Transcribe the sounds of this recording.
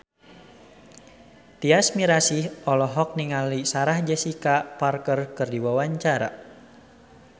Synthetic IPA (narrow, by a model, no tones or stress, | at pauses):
t̪iasmiɾasihɔlɔɦɔk̚niŋalisaɾahd͡ʒɛsikaparkərkɨrdiwawaɲt͡ʃaɾa̰